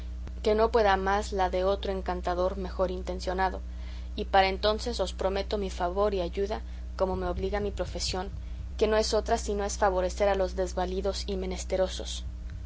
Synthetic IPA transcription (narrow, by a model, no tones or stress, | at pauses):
ke̞no̞pwe̞ðamazlaðe̞o̞t̪ɾo̞eŋkant̪aðo̞ɾme̞xo̞ɾint̪e̞nsjo̞naðo̞ | ipaɾaent̪o̞nse̞so̞spɾo̞me̞t̪o̞mifaβo̞ɾiaʝuða | ko̞mo̞me̞oβliɣamipɾo̞fe̞sjo̞ŋ | ke̞no̞e̞so̞t̪ɾasino̞e̞sfaβ̞o̞ɾe̞se̞ɾalo̞zðe̞zβaliðo̞sime̞ne̞st̪e̞ɾo̞so̞s